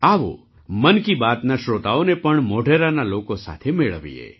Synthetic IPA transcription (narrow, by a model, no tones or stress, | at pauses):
aʋo̰ | mənkibat̪naʃɾot̪aonepəɳmoɖʱeɾanalokosa̰t̪ʰemeɭəʋḭḛ